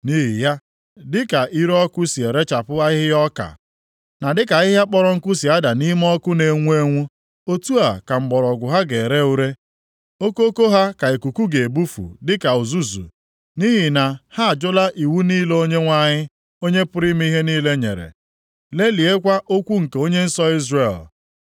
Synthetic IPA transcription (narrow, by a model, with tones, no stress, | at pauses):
ni˦ɦi˨ja˦ | dɪ˦ka˨ʔi˦ɾɔ˦kʊ˦si˨e˨ɾe˦t͡ʃa˨pʊ˦a˦ɪ˦ɦɪ˦jɔ˦ka̰˨ | na˨dɪ˦ka˨ɪ˦ɦa˦k͡pɔ˦ɾɔ˨ŋ̩˦kʊ˦si˨a˦da˨ni˦m˦ɔ˦kʊ˦ne˨ŋʷu˦e˦ŋʷu˦ | o˦tu˦a˨ka˨m̩˨ɡ͡bɔ˨ɾɔ˨ɡʷʊ˨ɦa˦ɡe˨ɾe˦u˦ɾe˦ | o˦ko˦ko˦ɦa˦ka˨e˨ku˨ku˦ɡe˨e˨bu˦fṵ˨dɪ˦ka˨u˨zu˦zṵ˨ | ni˦ɦi˨na˨ha˦˨d͡ʒʊ˦la˦ʔi˨wu˦niː˦lo˦ɲe˦ŋʷa˦ɲɪ˦ | o˦ɲe˦pʊ˦ɾi˦m˦i˦ɦe˦niː˦le˦ɲḛ˨ɾḛ˨ | le˦li˨e˦kʷa˦ʔo˦kʷu˦ŋ̩˨ke˨o˦ɲe˦n̩˦sɔ˦i˦zre˨l